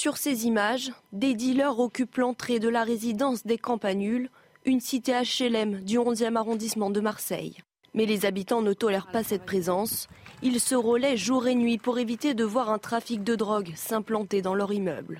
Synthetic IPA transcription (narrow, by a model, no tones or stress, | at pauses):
syʁsezimaʒd̪ed̪ilœʁɔkʲyplɑ̃t̪χed̪əlaʁezid̪ɑ̃sd̪ekɑ̃panyl | ynsit̪eaʃelɛmd̪yɔ̃zjɛmaʁɔ̃d̪ismɑ̃d̪əmaʁsɛ̰j | mɛlezabit̪ɑ̃nət̪ɔlɛʁpasɛt̪̚pχezɑ̃silsəʁəlɛʒuʁenɥipuʁevit̪ed̪əvwaʁɛ̃t̪χafik̚d̪əd̪ʁɔɡsɛ̃plɑ̃t̪ed̪ɑ̃lœʁimœ̰bl